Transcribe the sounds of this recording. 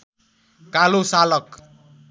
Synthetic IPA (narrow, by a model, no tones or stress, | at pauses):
kalosalʌk